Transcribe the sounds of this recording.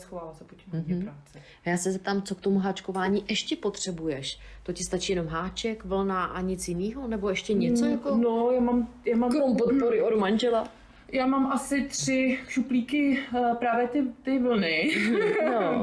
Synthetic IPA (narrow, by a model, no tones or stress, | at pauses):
sxovalasɛpocɛɲiɾaːt͡sɛ | jaːsɛzɛp̚t̪aːmt͡so̞kt̪o̞muɦaːt͡ʃko̞vaːɲiːʔɛʃcɛpo̞t̪r̝̥ɛbujɛʃt̪ocɪst̪at͡ʃiːjɛnomɦaːt͡ʃɛkvl̩naʔaɲɪt͡sjɪniːɦo̞nɛbo̞ɛʃcɛɲɛt͡sojakonojaːmamjaːmamkɾompot̪poɾɪʔoɾmand͡ʒɛla | jaːmamʔasɪt̪r̥ɪʃupliːkɪpɾaːvjɛt̪ɪt̪ɪvl̩nɪ | o